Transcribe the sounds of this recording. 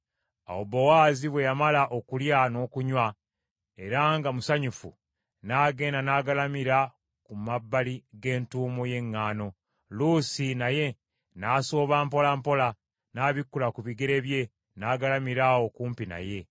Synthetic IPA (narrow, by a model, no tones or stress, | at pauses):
a̰wobowaːziβwe̞jamalaʔo̞kuljano̞ːkuɲwa | e̞ɾaŋɡamusaɲufu | naːɡe̞ːndanaːɡalamiɾa | kumabːaliɡe̞ːntuːmoje̞ŋːaːno̞ | luːsinaje̞ | naːso̞ːβaːmpo̞lampo̞la | naːβikːulakuβiɡe̞ɾe̞βje̞ | naːɡalamiɾawo̞kuːmpina̰je̞